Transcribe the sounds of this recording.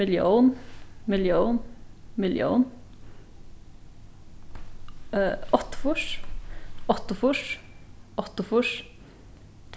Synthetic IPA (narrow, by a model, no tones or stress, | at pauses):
ɪljuːnmɪljuːnmɪljṵːn | ɔt̪ʊ̥fʊʂ | ʔɔt̪ʊfʊʂ | ʔɔt̪ʊfʊʂ | t̪ʰ